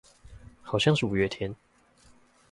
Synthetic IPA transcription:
xɑ˨˩ʊɕjɑ˥˧ŋʂɻ̩˥˨u˨˩ɥɛ˥˧t̪ʰjɛ˧˦n

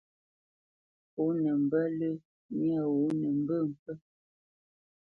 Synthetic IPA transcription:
o˨˦nə˨m̩˨bə˦lə˦ | mja˦˨wo˨˦nə˨m̩˦bə˦˨m̩˨pə˦

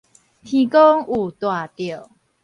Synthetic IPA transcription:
t̪ʰĩ˧kɔ˦ŋu˨˩t̪wa˨˩t̪jo˨˩

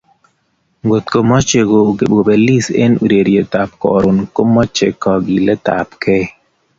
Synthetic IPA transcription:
ŋɡo˨t̪ko˨mɔ˦t͡ʃe˨ɡo˨ɡe˨ɓo˨be˨li˦sḛ˦nu˨ɾe˨ɾje˨t̪a˨p̚kɔ̰˨ɾʊ˨nko˦mɔ˦t͡ʃe˨kɔ˨ɡi˨lɛ˦t̪a̰˨pke˦

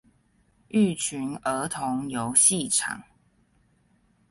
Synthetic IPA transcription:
ʔy˥˨t͡ɕʰy˨˦nə˨˥t̪ʰʊ˨˦ŋjo˨˦ʊɕi˥˨ʈ͡ʂʰɑ̰˨˩˦ŋ

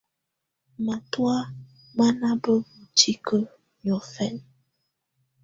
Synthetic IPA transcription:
ma˨twa˦ | ma˦na˦bə˦mu˨t͡ʃi˦kə˦ | ɲɔ˨fɛ˦n

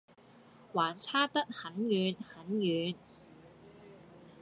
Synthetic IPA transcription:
waː˨˩nt͡sʰaː˥t̪ɐ˥k̚hɐ˨˥njyː˨˧nhɐ˨˥njyː˨˧n

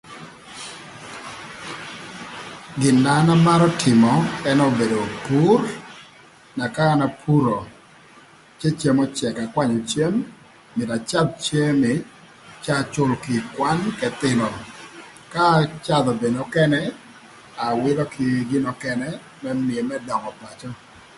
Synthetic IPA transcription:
ɡɪ˨nːa˨˦na˦ma˦ɾɔ˦tʰɪ˨mɔ˨ɛ˦nɔ˦be˨do˨pu˦r | na˨kaː˦na˨pʰu˦ɾo˨ | t͡ʃe˦t͡ʃe˨mɔ˦t͡ʃɛ˨ka˨kwa˦ɲɔ˨t͡ʃe˦mː | ɪ˨da˨t͡ʃa˦b̚t͡ʃe˦mɪ˨ | t͡ʃa˦˨t͡ʃʊ˦lkɪ˨kwa˦nkɛ˨t̪ɪ˦nɔ˨ | ka˦t͡ʃa˦˨d̪ɔ˨be˨nɔ˨kɛ˦nɛ˦ | a˨wɪ˦lɔ˦kʰɪ˨ɡɪ˦nɔ˨kɛ˨nɛ˦ | mɛ˦mi˨e˨mɛ˦dɔ˨ŋɔ˨pa˨t͡ʃɔ˦

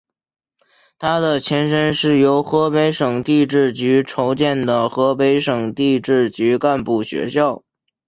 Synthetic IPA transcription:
t̪ʰa˥d̪ə˨t͡ɕʰjɛ˧˥nʂə˥nʂɻ̩˥˩jo˧˥ʊxɤ˧˥pe˧˥ɪʂɤ˨˩ŋt̪i˥˧ʈ͡ʂɻ̩˥˩t͡ɕy˧˥ʈ͡ʂʰo˧˥ʊt͡ɕjɛ˥˩nd̪ə˩xɤ˧˥pe˧˥ɪʂɤ˨˩ŋt̪i˥˧ʈ͡ʂɻ̩˥˩t͡ɕy˧˥ka˥˧npu˥˩ɕɥɛ̰˧˥ɕjɑ˥˩ʊ

